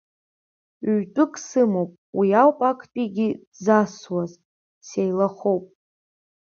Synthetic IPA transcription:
ɥtʼʊkʼsɨmowpʼwiawpʼakʰʼpʼiɡʲidzaswaz | sejlaχowpʼ

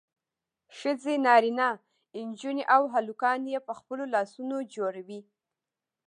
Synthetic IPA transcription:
ʃəzenɑɾina | ɪnd͡ʒuneʔawɦalukɑnjepəxpəlolɑsunod͡ʒoɽawi

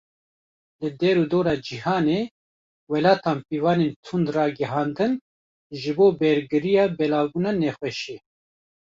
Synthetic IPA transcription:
lɨd̪ɛɾuːd̪oːɾɑːd͡ʒihɑːneː | wɛlɑːt̪ɑːnpiːvɑːneːnt̪ʰund̪rɑːɡɛɦɑːnd̪ɨn | ʒɨboːbɛɾɡɨɾijɑːbɛlɑːbuːnɑːnɛxwɛʃeː

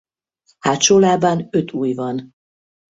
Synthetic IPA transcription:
haːt̪ʃolaːbanøt̪ʰuːjvɒn

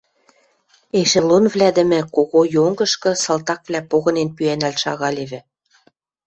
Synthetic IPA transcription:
eʃĕlonvlʲæd̪ɘ̆mɘ̆koɣojoŋɡɤ̆ʃkɤ̆sɤlt̪ɑk̚vlʲæpoɣɤ̆nenpyænælʃɑ̰ɣɑlʲeβɘ̆

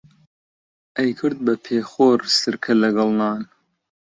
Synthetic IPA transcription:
ʔɐjkʰɨɾd̪̚bɐpʰeːxoːɾsɨɾkʰɐlɐɡɐlˠnɑːn

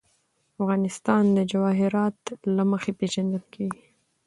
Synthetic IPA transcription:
afɣɑnɪst̪ɑnd̪əd͡ʒawɑɦɪɾɑt̪laməxepeʒand̪əlkʰewi

